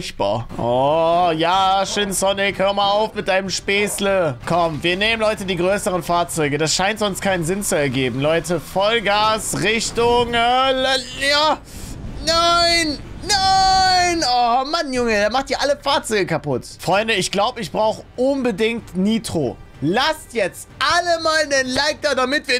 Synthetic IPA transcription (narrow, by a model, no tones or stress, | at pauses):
çb̥a̰ːɐʔɔjaːʃøːnsɔnɪkhøːɐmaːlaʊfmɪt̚d̥aɪnəmʃpeːsləkʰɔmviːɐneːmənlɔʏtədiːɡʁøːsəʁənfaːɐt͡sɔʏɡədasʃaɪntz̥ɔnstkʰaɪnənzɪnt͡suɛɐɡeːbm̩lɔʏtəfɔlɡaːsʁɪçtʊŋɛljaː | naɪnnaɪnɔmanjʊŋədeɐmaχt̚d̥iːɐʔaləfaːɐt͡sɔʏɡəkʰapʊtfʁ̥ɔʏndəɪçɡ̥laʊbəɪçb̥ʁaʊxəʔʊnbədɪŋ̚tniːtʁ̥o̰ː | lastjɛt͡stʔaləmaːlnənlaɪk̚tɐdamɪtv̥iːɐ